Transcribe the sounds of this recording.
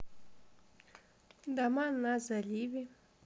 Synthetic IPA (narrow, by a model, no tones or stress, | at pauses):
d̪amanazalʲivi